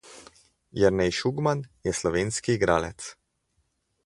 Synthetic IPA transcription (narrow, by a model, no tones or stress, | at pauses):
jɛɾnɛjʃuɡmanjɛslɔʋeːnskiːɡɾaːlɛt̪s